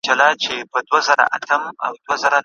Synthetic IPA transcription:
d͡ʒɐlaːt͡ʃebɐdɐzɐɾa̰ʔa̰tɐmʔa̰wdɐzɐɾa

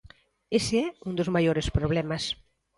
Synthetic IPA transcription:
esɪɛund̪ozmajoɾespɾoβ̞lɛmɐs

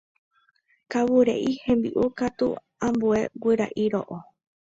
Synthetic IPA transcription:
kawuɾḛʔihẽ̞mbiʔukat̪ṵ | ãmbue̞wɨɾa̰ʔiɾo̰ʔo

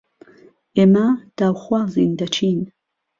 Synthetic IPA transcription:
ʔeːmɐd̪̥aːwxwaːziːnd̪ɐt͡ʃʰiːn

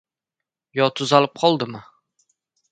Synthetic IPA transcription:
jɒt̪ʰʊzalɪp̚qʰɒlˠd̪ɪmɪ

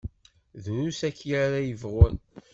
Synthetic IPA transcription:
ðɾusækːjɾaɾajəvʁʊn

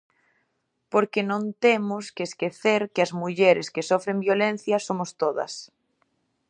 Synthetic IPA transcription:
poɾkenõnt̪emʊskeːskeθeɾkɪɐzmuʎeɾeskesofɾembjolẽn̟θjɐsomost̪oðɐ̰s

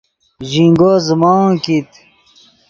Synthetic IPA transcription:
ʑiŋɡoːzəmɑkit̪

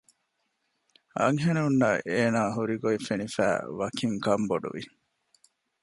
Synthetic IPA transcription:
ɐ̰ŋɦenuunːɐʔeːnaːɦuɾiɡoifenifæ̰ːʋɐkʰiŋkɐmboɖṵʋḭ

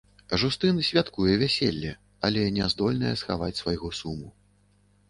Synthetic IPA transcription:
ʐust̪ɨnɨsʲvʲat̪kujɛvʲæsʲelʲːɛ | ɐlʲɛnʲɛzd̪ɔlʲnɐ̰jɛsxa̰vat͡sʲsvajɣɔsumu

